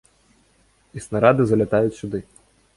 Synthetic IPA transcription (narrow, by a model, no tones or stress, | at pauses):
isnɐɾɑd̪ɨzɐlʲɐt̪ɑjʊtʲsʲʊd̪ɪ